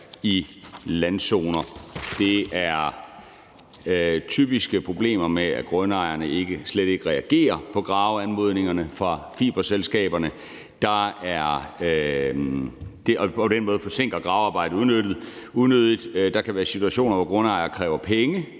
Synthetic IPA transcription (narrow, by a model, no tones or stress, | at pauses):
ilænso̝̰ːnɐd̥e̝æɐ | t͡sʰyb̥isɡ̥əpʰʁo̝b̥le̝̰ːmɐmeæɡ̥ʁɔnɑ̈ɪɐnəe̝ɡ̥əsleɾ̥e̝ɡ̥əʁɛæɡ̥e̝̰ːɐpʰɒ̽ɡ̥ʁɑ̈ʊænmo̝ð̞̰ˠne̝ŋɐnəfʁɑ̈fḭːb̥ɐselsɡ̥ɛ̰ːb̥ɐnə | d̥ɑ̈æɐ | d̥e̝ɒ̽pʰɒ̽d̥enmɔ̽ːð̞̩ˠfɒ̽se̝ŋ̰ɡ̥ʁɐɡ̥ʁɑ̈ʊɑ̈ːb̥ɑ̈ɪ̰d̥ð̩uðˠnød̥ð̩ˠuðˠnøð̞ˠid̥d̥ɑ̈kʰæʋæːɐsit͡sʰuæɕo̝̰ːnɐʋɒɡ̥ʁɔ̽nɑ̈ɪɐːkʰʁɛːʊɐpʰeŋə